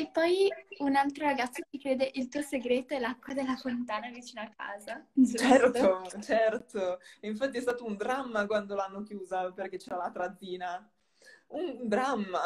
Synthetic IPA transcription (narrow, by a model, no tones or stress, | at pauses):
epːɔjunalt̪ɾoɾaɡat̪sːot͡ʃikɾeːd̪eʔilt̪uːoseɡɾeːt̪oɛlakːwad̪elːafont̪aːnavit͡ʃiːnoakʰːa̰ːzat͡ʃɛɾt̪ot͡ʃɛrt̪oiɱfat̪ːiɛst̪aːt̪ound̪ɾamːakwand̪olanːokjuːzaperk̟et͡ʃːɛːɾalat̪ɾad̪zːiːna | und̪ɾamːa